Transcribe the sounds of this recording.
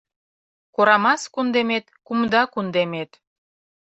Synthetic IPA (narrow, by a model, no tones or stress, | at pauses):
koɾɑmɑskund̪emet̪kumd̪ɑkund̪emet̪